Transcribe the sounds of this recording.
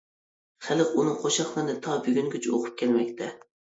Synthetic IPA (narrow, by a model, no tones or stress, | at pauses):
χæləqunɨŋqʰoʃɑχlˠɨɾnɨt̪ʰɑbyɡʲynkʲyt͡ʃʰɪoqʰʊ̥p̚kʲʰɛlmɛkʲt̪ʰɛ